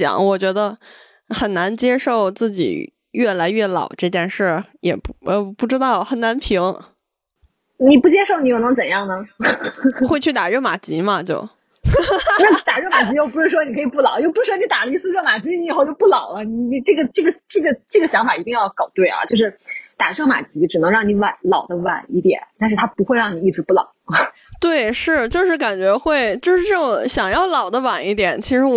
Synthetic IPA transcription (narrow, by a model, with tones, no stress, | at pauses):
jɑ̰˨˦ŋwɔ˨˩t͡ɕɥɛ˧˥d̪ə˧ | xə˨˩nna˧˥nt͡ɕjɛ˥ʂo˥˩˧ʊt͡sɹ̩˥˩t͡ɕḭ˨˩ | ɥɛ˥˩la˧˥ɪɥɛ˥˩lɑ̰˨˩ʊʈ͡ʂɤ˥˧t͡ɕjɛ˥˧nʂə˥˩jɛ˨˩˥pu˥˩ʈ͡ʂɻ̩˥t̪ɑ˥˩ʊxə˨˩na˧˥npʰi˧˥ŋ | ni˨˩pu˥˩t͡ɕjɛ˥ʂo˥˩ʊni˧˥jo˧˩n˧˥ŋt͡sə˨˩njɑ˥˩ŋnə˩ | xwe˥˧ɪt͡ɕʰy˥˩t̪a˨˩ɻo˥˩ma˨˩t͡ɕi˧˥mɐ˧t͡ɕjo˥˩ʊ˧˥˩ | t̪a˨˩ɻo˥˩ʊma˨˩t͡ɕi˧˥t͡ɕjo˥˩ʊpʂɻ̩˥˩ʂwɔ˥ni˨˩kʰɤ˧˥i˨˩pu˥˩lɑ˨˦ʊt͡ɕjo˥˩ʊpu˧˥ɻ̩˥˩wɔ˥ni˧˥t̪a˨˩li˥˩sɹ̩˥ʈ͡ʂʰɤ˥˩ʊma˨˩t͡ɕi˧˥i˧˨˩xo˥˧t͡ɕo˥˧ʊpu˥˩lɑ˨˩˦ʊlə˦ni˨˩ni˨˩ʈ͡ʂɤ˥˩ɡə˩ʈ͡ʂɤ˥˩ɡə˩ʈ͡ʂɤ˥˩ɡə˩ʈ͡ʂɤ˥˩ɡə˩ɕjɑ˧˥ŋfa˨˩i˧˥t̪i˥˧ŋjɑ˥˩ʊkɑ˨˩ʊt̪we˥˩ɪɐ̰˩t͡ɕjo˥˧ʊʂɻ̩˥˩t̪a˨˩ʂʰma̰˨˩t͡ɕi˧˥ʈ͡ʂɻ̩˨˩nɤ˧˥ŋɻɑ˥˩ŋni˧˥wa˨˩nlɑ˨˩ʊd̪ə˦wa̰˨˩ni˥˩t̪jɛ̰˨˩˦nt̪a˥˧nʂɻ̩˥˩t̪ʰa˥pu˧˥xwe˥˧ɪɻɑ˥˩ŋni˨˩i˥˩ʈ͡ʂʰu˧˥pu˥˩lɑ̰˨˩˦ʊ | t̪we˥˩ɪʂɻ̩˥˩t͡ɕjo˥˧ʂɻ̩˥˩ka˨˩nt͡ɕɥɛ˧˥xwe˥˧ɪt͡ɕjʂɻ̩˥˧ʈ͡ʂə˥˩˨ɕjɑ˨˩ŋjɑ˥˩ʊlɑ˨˩ʊd̪ə˦wa˨˩ni˥˩t̪̬jɛ˨˩˦nt͡ɕʰi˧˥ʂɻ̩˧˥